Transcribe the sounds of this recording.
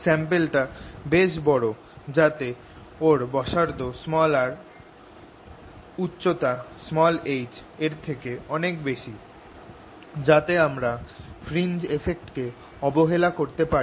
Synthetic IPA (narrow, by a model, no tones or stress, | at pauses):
sɛmpelʈabeʃbɔɽo | d͡ʑat̪e | oɾbɔʃaɾd̪osmɔlaɾ | utːɕot̪asmɔlejd͡ʑeɾt̪ʰekeɔnekbeʃi | d͡ʑat̪eamɾafʰɾind͡ʑefʰek̚ʈke | ɔboɦelakoɾt̪epa